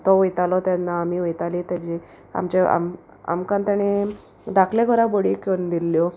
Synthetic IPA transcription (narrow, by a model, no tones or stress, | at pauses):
t̪ɔʋəjt̪alɔt̪ɛnːaːmiʋəjt̪alit̪ad͡ʑi | a̰mt͡ɕea̰m | a̰mkãnt̪aɽ̃e | d̪akʰleɡʰʱɔɾaboɽikond̪ilːjɔ